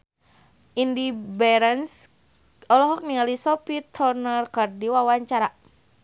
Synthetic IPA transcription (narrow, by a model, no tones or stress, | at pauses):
indibɛɾəns | ɔlɔɦɔk̚niŋalisɔpit̪ʰɔrnərkərdiwawaɲt͡ʃaɾa